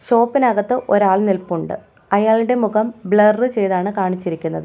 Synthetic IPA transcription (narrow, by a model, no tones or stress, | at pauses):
ɕo̞ːpːinɐɣɐt̪ːɨʔo̞ɾaːɭnilpuɳɖɨ̰ | ɐjaːɭɨɽe̞muɣɐmbɭɐrːɨt͡ɕe̞jðaːɳɨkaːɳit͡ɕːiɾikʲːunːɐðɨ